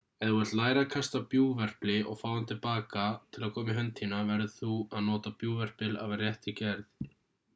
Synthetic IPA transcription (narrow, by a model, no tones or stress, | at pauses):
ɛðuhɛ̥t̪laːjɾakʰast̪apjuːvɛr̥plɪʔɔɣfaːwant̪ʰɪlpaːkat̪ʰɪlaðkʰɔːmɪɦœnt̪ʰinavɛɾðɪθuaðnɔːt̪apjuːvɛr̥pɪla̰varjɛht̪ɪcɛɾθ